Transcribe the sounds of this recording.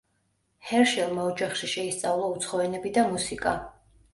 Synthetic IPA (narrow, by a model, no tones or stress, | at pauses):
hɛɾʃɛlˠmaɔd͡ʒaχʃiʃɛist̪sʼavlˠaut̪sʰχɔɛnɛbid̪amusikʼa